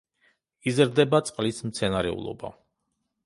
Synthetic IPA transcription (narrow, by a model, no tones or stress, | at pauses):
izɾd̪ɛbat̪sʼqʼlismt̪sʰɛnaɾɛ̰ṵlˠɔ̰ba̰